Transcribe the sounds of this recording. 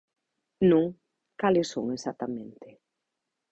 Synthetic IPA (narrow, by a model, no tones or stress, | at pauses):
nũŋ | kalɪsːõ̰ŋesat̪amẽnt̪ɪ